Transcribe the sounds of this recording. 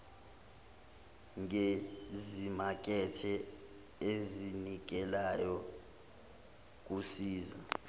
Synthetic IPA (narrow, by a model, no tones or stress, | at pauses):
ŋezimak̬ʼɛtʰɛ | ezinik̬ɛlajɔ | k̬ʼusiːza